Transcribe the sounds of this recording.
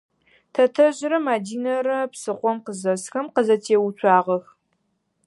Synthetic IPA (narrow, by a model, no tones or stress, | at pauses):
tʰɐtʰɐʑɪɾɐmaːdiːnɐɾɐpsɨqʷɔmqəzɐsxɐmqəzɐtʰeːwut͡ʃʷʰɑːʁɐx